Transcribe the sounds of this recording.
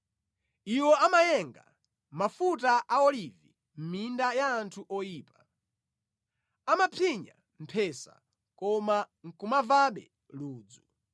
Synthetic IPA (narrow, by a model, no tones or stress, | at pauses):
iwɔamajɛŋɡa̰ | mafutaʔaɔlivi | m̩mindajaːntʰuʔɔjiːpḁ | amapʰiɲa̰ | m̩pʰɛsa̰ | kɔma | ŋ̩kumavaɓɛ̰ | luːd͡zu